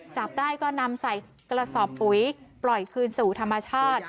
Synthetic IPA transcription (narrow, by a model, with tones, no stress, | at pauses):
t͡ɕa˨˩p̚daː˥˩jkɔː˥˩na˧msa˨˩j | kɾa˧sɔː˨˩pːu˨˩˦jplɔ˨˩jkʰɯː˧nsuː˨˩t̪ʰa˧mːa˧t͡ɕʰaː˥˩t̪̚